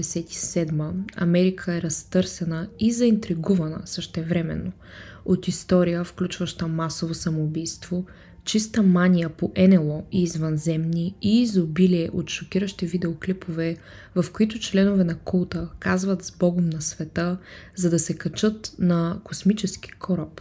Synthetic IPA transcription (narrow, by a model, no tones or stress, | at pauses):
ɛsɛt̪i̥sɛd̪məɐ̰mɛɾikʰəɛɾɐst̪ɤɾsɛnəizɐint̪ɾiɡuvɐnə̰səʃt̪ɛvɾɛmɛ̰nːo | ot̪ist̪ɔɾijəfklʲut͡ʃvɐʃt̪əmasovosɐmoːbijst̪v̥o | t͡ʃist̪əmanʲijəpoʔɛnɛlˠɔiːzvɐnzɛmniiːzobiliɛʔot̪ʃok̟iɾəʃt̪ivid̪ɛoklipovɛ | vɐfkoit̪ʊt͡ʃlɛnʊvɛnɐkulˠt̪əkazvɐt̪zbɔɡomnɐsvɛt̪əzɐd̪ɐsɛkɐt͡ʃɤt̪nɐkosmit͡ʃɛsk̟i̥kʰɔɾəp